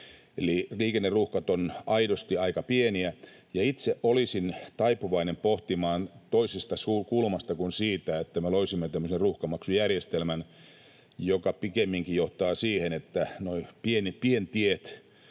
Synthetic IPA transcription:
eliliːkenːerruhkɑt̪onɑidost̪iɑikɑpieniæ | jɑit̪seʔʔolisint̪ɑipuʋɑinempoht̪imɑːnt̪oisest̪ɑsuːkulmɑst̪ɑkunsiːt̪æet̪ːæmeloisimːet̪æmːøserruhkɑmɑksujærjest̪elmæn | jokɑpikemːiŋkijoht̪ɑːsiːhenet̪ːænoipienipient̪iet̪

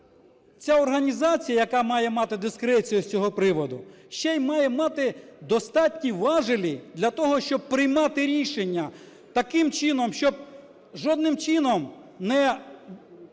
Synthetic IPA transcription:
t͡sʲaɔrɦɐnʲizɑt͡sʲijɐjɐkɑmɑjɛmɑt̪ɪd̪ɪskɾɛt͡sʲijut͡sʲɔɦɔpɾɪʋɔd̪ʊ | ʃt͡ʃɛjmɑjɛmɑt̪ɪd̪ɔst̪ɑt̪ʲnʲiwʋɑʒɪlʲid̪lʲɐt̪ɔɦɔʃt͡ʃɔb̚pɾɪjmɑt̪ɪɾʲiʃenʲːɐ | t̪ɐkɪmt͡ʃɪnɔmʃt͡ʃɔb̚ | ʒɔd̪nɪmt͡ʃɪnɔm | nɛ

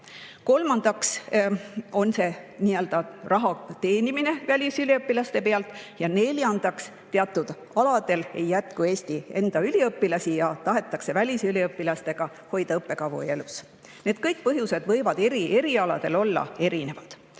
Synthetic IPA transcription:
ko̞lmɑnd̪̥ɑks | o̞nse̞niːøld̪̥ɑrɑɦɑt̪e̞ːnimine̞vælʲisylʲiɤpːilɑst̪e̞pe̞ɑlt̪ˑjɑne̞lʲjɑnd̪̥ɑks | t̪e̞ɑt̪ːˑud̪̥ | ɑlɑd̪̥e̞le̞jːæt̪kue̞ːst̪ie̞̰nd̪̥ɑylʲiɤpːilɑsijɑt̪ɑɦe̞t̪ːˑɑkse̞vælʲisylʲiɤpːilɑst̪e̞ɡ̥ɑ | ho̞jd̪̥ɑɤpːˑe̞kɑvṵe̞lus | ne̞ːd̪̥kɤjk̚pɤɦjuse̞d̪vɤjvɑd̪e̞ɾiʔe̞ɾiɑlɑ̰d̪̥e̞lo̞lːɑ̰e̞ɾine̞vɑd̪̥

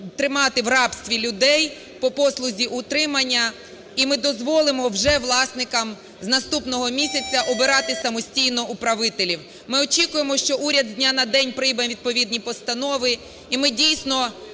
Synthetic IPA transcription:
t̪ɾɪmɑt̪ɪwrɑpst̪ʋʲilʲʊd̪ɛj | pɔpɔslˠʊzʲiʔʊt̪ɾɪmɐnʲːɐ | imɪd̪ɔzʋɔlˠɪmɔwʒɛʋlˠɑsnɪkɐm | znɐst̪upnɔɦɔmʲisʲɐt͡sʲːɐʔɔbɪɾɑt̪ɪsɐmɔsʲtʲijnɔʔupɾɐʋɪt̪elʲiw | mɪɔt͡ʃʲikʊjemɔʃt͡ʃɔʔuɾʲɐd̪d̪ʲnʲanɐd̪ɛnʲpɾɪjbɐʋʲid̪̚pɔʋʲid̪nʲipɔst̪ɐnɔʋɪ | imɪdʲijsʲnɔ

